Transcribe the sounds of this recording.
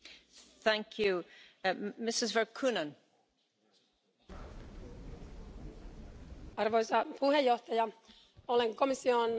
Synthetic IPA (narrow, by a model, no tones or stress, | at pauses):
θæ̃ŋkʰju | mɪsɪzvəɹkʰunə̃n | ɑrʋojsɑpuhejːoht̪ɑjɑ | oleŋkomisːion